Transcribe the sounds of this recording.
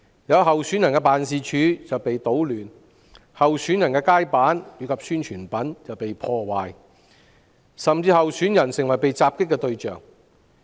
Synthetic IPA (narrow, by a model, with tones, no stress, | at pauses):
jɐ˨˧wɦɐ˨wsyː˨˥njɐ˨˩nkɛː˧paː˨nsiː˨t͡ʃʰyː˨˧t͡sɐ˨wpe˨jt̪o˨˥wlyː˨˩n | hɐ˨wsyː˨˥njɐ˨˩nkɛː˧kaː˥jpaː˨˥njyː˨˧kʰɐ˨p̚syː˥nt͡ʃʰyː˨˩npɐ˨˥nt͡sɐ˨wpe˨jpʰɔː˧waː˨j | sɐ˨mt͡siː˧hɐ˨wsyː˨˥njɐ˨˩nsɪ˨˩ŋwɐ˨˩jpe˨jt͡saː˧p̚kɪ˥kːɛ˧t̪ɵ˧ɥt͡ʃœ̰ː˨˩ŋ